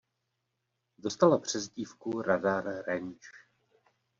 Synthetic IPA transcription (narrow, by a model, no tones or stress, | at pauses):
do̞st̪alapr̝̥ɛzɟiːfkuɾadaɾɾɛnt͡ʃ